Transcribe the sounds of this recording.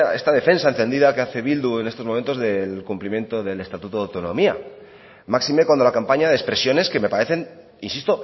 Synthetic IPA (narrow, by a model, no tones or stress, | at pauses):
e̞st̪aðe̞fe̞nsae̞nθe̞nd̪iðake̞aθe̞βild̪ue̞nest̪omome̞nt̪o̞zðe̞lkumplimje̞nt̪o̞ðe̞le̞st̪at̪ut̪oðawt̪o̞nõ̞mia̰ | maksime̞kwand̪olakampaɲaðeːspɾe̞sjo̞ne̞ske̞me̞paɾe̞θe̞n | insist̪o̞